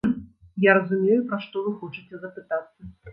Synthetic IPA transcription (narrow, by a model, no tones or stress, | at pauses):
jaɾɐzumʲejʊpɾɐʂt̪ɔvɨxɔt͡ʂɨt͡sʲɛzɐpɨt̪at̪sːɐ